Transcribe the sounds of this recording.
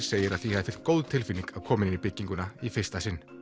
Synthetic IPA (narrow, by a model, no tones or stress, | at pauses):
seːjɪɾaðθihɛðɪfɪl̥t̪̚kowðt̪ʰɪlfinːiŋkaðkʰɔːmɪninipɪcːiŋkʏnaifɪr̥st̪asɪnː